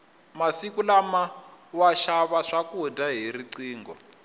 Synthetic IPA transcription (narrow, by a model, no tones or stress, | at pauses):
masikulamawaʃaβaʂakudaɦiriǀiːŋɡɔ